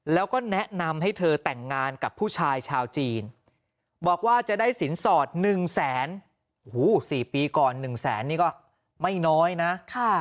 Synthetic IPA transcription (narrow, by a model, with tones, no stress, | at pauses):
lɛː˦˥wkɔː˥˩nɛ˦˥ʔna˧mɦa˥˩jt̪ʰɤː˧t̪ɛ˨˩ŋːaː˧nka˨˩pʰːuː˥˩t͡ɕʰaː˧jt͡ɕʰaː˧wt͡ɕiː˧n | bɔː˨˩k̚waː˥˩t͡ɕa˨˩daː˥˩jsi˩˦nsɔː˨˩t̪̚nɯ˨˩ŋsɛː˩˦n | uː˦˥˩siː˨˩piː˧kɔː˨˩nːɯ˨˩ŋsɛ̰ː˩˦nːiː˥˩kɔː˥˩ | ma˥˩jnɔː˦˥jna˦˥ʔkʰa˥˩